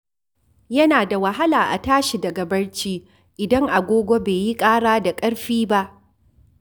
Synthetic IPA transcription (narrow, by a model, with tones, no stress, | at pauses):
jɐ˦naː˨da˨wɐ˨ɦa˦laː˨ʔa˨taː˦ʃi˨dɐ˨ɡɐ˨bɐ˦ɽt͡ʃiː˦ | ʔɪ˨dɐ˦ŋʔa˨ɡʷoː˦ɡʷo˦beː˨ji˦kʼaː˦ɽaː˦da˨kʼɐ˦ɽɸiː˦ba˦ʔ